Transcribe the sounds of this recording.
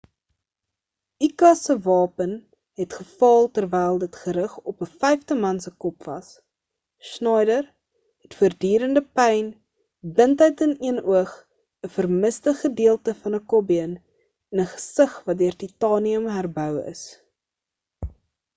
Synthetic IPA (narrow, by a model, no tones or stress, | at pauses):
ikɐsəvɑːpən | ɦɛtχəfɑːlˠtərvɛjlˠdətχəɾəχɔpəfɛjftəmɐnsəkɔpv̥ɐ̰s | snɑjdər | ɦɛtfuərdyːɾəndəpɛjn | bəntəɥtəniənuəχ | əfərməsdəχədiəlˠtəfɐnəkɔbiən | ɛnəχə̥səχvɐt̚døərtitɑːniəmɦærbœwə̰s